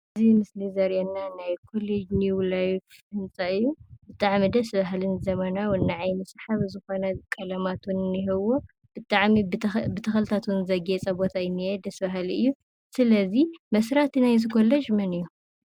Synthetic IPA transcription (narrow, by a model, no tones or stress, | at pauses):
ʔɨzimɨslizɐɾjanːanajkʰoled͡ʒnjulajfhɨnt͡sʼaɨjːubɨt̪ʼaʕmid̪ɐsβaɦlɨnzɐmɐnawɨnːaʕajmɨsħaβzɨxo̞nɐkʼɐlɐmat̪wunɨniɦɨwo | b̥ɨt̪ʼaʕmibɨt̪ʰɐxɐlt̪ʰat̪wunzɐɡet͡sʼɐbo̞t̪ʰajɪnːied̪ɐsbaɦliɨjːu | sɨlɐzimɐsɾat̪inajzɨkʰo̞led͡ʒmɐnɨjːu